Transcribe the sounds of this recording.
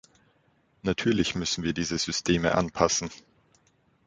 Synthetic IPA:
natʰyːɐlɪçmʏsn̩viːɐdiːzəzʏstʰeːmə̰ʔa̰npʰasn̩

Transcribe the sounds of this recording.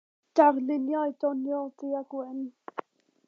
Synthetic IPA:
d̥arnɪnjɔjdɔnjɔdiaɡwɛn

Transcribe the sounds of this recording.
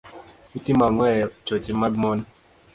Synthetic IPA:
itimaŋwɛt͡ʃot͡ʃimaɡmɔn

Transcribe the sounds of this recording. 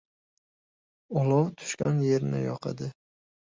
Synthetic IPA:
ɒlˠɒt̪ʰʊ̥ʃkʲanje̞ɾnɪ̰jɒqʰɑ̰d̪ɪ

